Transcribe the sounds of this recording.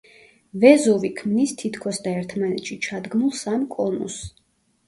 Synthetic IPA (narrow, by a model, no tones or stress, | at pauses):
vɛzɔvikʰmnist̪ʰit̪ʰkʰɔsd̪aɛɾt̪ʰmanɛt̪ʃit͡ʃʰad̪ɡmulˠsamkʼɔnṵs